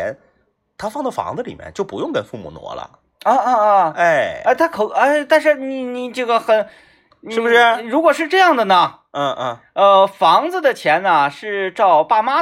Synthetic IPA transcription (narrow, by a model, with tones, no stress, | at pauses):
ɛ˧˥n | t̪ʰa˥fɑ˥˧ŋt͡sə˥˩fɑ̰˧˥ŋd͡zə˧li˨˩mjɛ̰˥˧nt͡ɕjo˥˩ʊpu˧˥jʊ˥˩ŋkə˥˧nfu˥˩mṵ˨˩nwɔ̰˧˥lə̰˧ | ə˥˧ə˥˧˥e˥˩ɪa˥˩t̪ʰa˥kʰo˨˩a˥˩ɪt̪a˥˧nʂɻ̩˥˩ni˨˩ni˨˩ʈ͡ʂɤ˥˩ɡə˩xə˨˩˦n | n˧i˥˨˩ɻu˧˥kwɔ˨˩ʂɻ̩˥˧ʈ͡ʂɤ˥˧jɑ˥˩ŋd̪ə˩nə˩˥˧ | ə˧fɑ˧˥ŋd͡zɹ̩˧d̪ə˨t͡ɕʰjɛ˧˥nɐ˨ʂɻ̩˥˧ʈ͡ʂɑ˥˧ʊpa˥˩ma˥